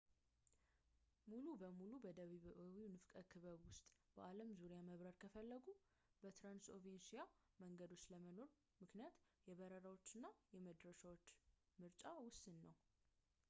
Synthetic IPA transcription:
mulubəmulubəd̪əβiβʔowinɨfkʼəkʰɨβəβwʊst̪ʼb̥əʔaləmzuɾijaməβɾəɾkʰəfəlːəɡu | bət̪ɾanso̞vensija | məŋɡəd̪o̞t͡ʃːləməno̞ɾ | mɨknijat̪jɛβəɾəɾawo̞t͡ʃːɨnːajɛməd̪ɾəʃawot͡ʃː | mɨɾt͡ʃʼawʊsɨnːəw

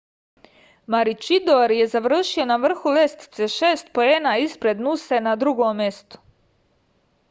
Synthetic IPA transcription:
maɾit͡ʃid̪oɾje̞zaʋr̩ʃio̞naʋr̩xulest̪i̥t̪seʃeːst̪̚po̞enaispɾe̞d̪nusenad̪ɾuɡoːmje̞st̪o̥

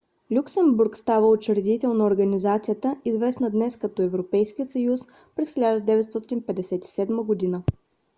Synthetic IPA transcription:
lʲuksɛmbuɾkst̪avəot͡ʃɛɾɛd̪it̪ɛlˠnɐoɾɡənizat̪sijət̪əizvɛsnəd̪nɛskɐt̪ɔɛvɾopɛjskijəsəjus | pɾɛsxʲilʲad̪əd̪ɛvɛt̪st̪ɔt̪inpɛd̪ɛsɛt̪i̥sɛd̪məɡod̪inə

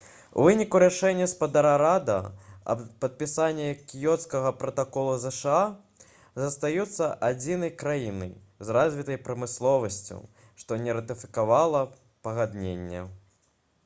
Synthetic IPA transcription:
w̰vɨnʲikuɾaʂɛnʲːɐspad̪aɾaɾad̪ɐ̰ɐ̰pɐt̪̚pʲisanʲːɛkʲijɔt̪skɐɣɐpɾɐt̪akɔlˠuzɛʂa | zɐst̪ajut̪sːɐʔad͡zʲinɐjkɾajinɐ̰j | zrazʲvʲit̪ɐjpɾɐmɨslˠɔvɐsʲt͡sʲɐ̰w | ʂt̪ɔnʲɛɾɐt̪ɨfʲi̥kavalˠɐ | pɐɣad̪nʲenʲːɛ̰

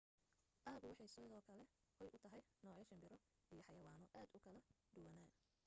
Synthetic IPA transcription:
ʔɐːɡʊwɑħɑjsɔðɔːkʰɐlɛ | wɛjʔʊt̪ʰɐɦɛjnɔːʕjɐʃɐmbɪɾɔ | ijɔħɑjɐwaːnɔʔaːd̪ʊkʰɐlɐ | ɖ̪ʊwɐnaːn

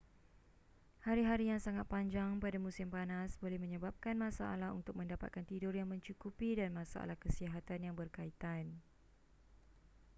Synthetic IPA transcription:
haɾiɦaɾijaŋsaŋat̪̚paɲd͡ʒaŋpadamũsɪmpanasbolɛhmə̃ɲə̃bap̚kanmãsaʔa̰laɦunt̪ʊk̚mə̃ndapa̰t̪̚kant̪idʊrjaŋmə̃ɲt͡ʃukupidanmãsa̰ʔa̰lahkəsiɦat̪anjaŋbərkait̪an

